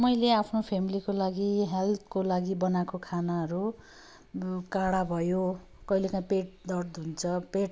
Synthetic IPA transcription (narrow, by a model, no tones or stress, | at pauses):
mʌjleapʰnopʰemilikolaɡiɦelt̪ʰkolaɡibʌnakokʰanaɦʌɾu | kaɽabʱʌjo | kʌjlekãpeʈ̚d̪ʌrd̪unt͡sʰʌpeʈ